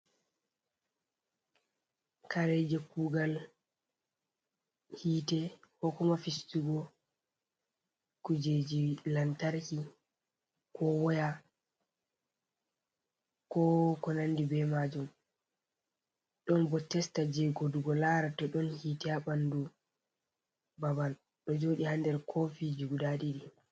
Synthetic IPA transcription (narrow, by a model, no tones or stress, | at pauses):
kaɾɛd͡ʒɛkuːɡal | hiːtɛhɔkɔmafistuɡɔ | kud͡ʒed͡ʒilantaɾki | kɔwɔja | kɔkɔnanːdibɛmad͡ʒum | ɗɔnbɔtːɛstad͡ʒɛɡoduɡɔlaːɾatɔɗɔnhiːtɛaɓandu | babal | ɗɔd͡ʒoːɗihandɛɾkʰɔfid͡ʒuɡudaɗiɗi